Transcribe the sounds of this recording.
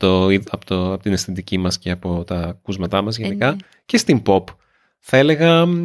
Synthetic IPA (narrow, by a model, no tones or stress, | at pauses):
t̪oiɐpot̪oɐpot̪inesθit̪icimɐsce̞ɐpo̞t̪ɐkuzmɐt̪ɐmɐzʝenikɐ | ce̞st̪imbo̞p | θɐe̞le̞ɣɐ